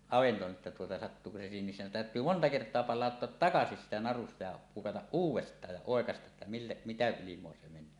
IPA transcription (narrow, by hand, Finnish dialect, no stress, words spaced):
ɑʋento etːæ tuotɑ sɑtːuːko se siːhem misːæ on tæˑøtˑyː montɑ kertˑoɑ pɑlˑɑˑotːoɑt tɑkɑsis siːtæ nɑrustɑ jɑ pukɑtɑʔ ʔuːwˑestˑɑːj jɑ oˑekɑstɑʔ ʔetːæ milːe mitæ ilimˑoɑ se menˑøː